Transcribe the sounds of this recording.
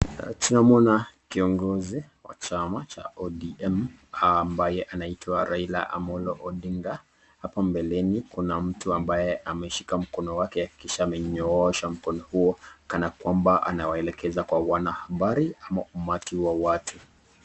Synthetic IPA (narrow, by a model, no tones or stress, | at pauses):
tunamɔnakiɔŋɡɔziwa̰t͡ʃamat͡ʃa̰ɔdiɛm | ambajɛʔanaitʰwaɾaila̰ʔa̰mɔlɔʔɔɗiŋɡa | hapambɛlɛnikunam̩tuambajɛʔamɛʃi̥kam̩kɔnɔwakɛaki̥kiʃaːmɛɲɔɔʃam̩kɔnɔhuɔkanakwambaʔa̰nawaɛlɛkɛzakwawanahaɓaɾiamaumatiwawatʰu